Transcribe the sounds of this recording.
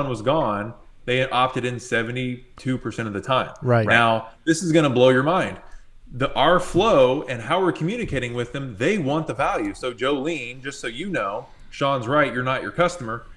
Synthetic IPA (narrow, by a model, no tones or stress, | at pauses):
nwʌzɡɔ̃n | ðeɪɨʔɑp̚tɨɾɨ̃nsɛvɨ̃n̩titʰʉpʰə˞sɛ̃ɾ̃ʌvðɨtʰãɪ̃maɪnaʊðɪsɨzɡʌñəbloʊjə˞mãɪ̃nd̪ | ðiʔɑɹfloʊɨ̃nɦaʊwəɹkʰmjʉnɨkʰeɪɾɪ̃ŋwɪðɨ̃mðeɪwɑ̃nðɨvælˠjʉsoʊd͡ʒoʊlĩnd͡ʒʌstsoʊjɨnoʊ | ʃɑ̃nzɹaɪtjə˞nət͡ʃə̰˞kʰʌstəmə˞